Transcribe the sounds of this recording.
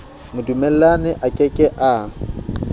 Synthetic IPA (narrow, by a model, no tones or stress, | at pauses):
mʊdumɛl̩lanɪʔakʼɛkʼɛʔa